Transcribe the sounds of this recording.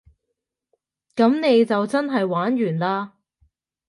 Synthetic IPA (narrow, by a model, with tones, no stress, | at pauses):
kɐ˨˥mne˨˧jt͡sɐ˨wt͡sɐ˥nɦɐ˨jwaː˨˥njyː˨˩nlaː˧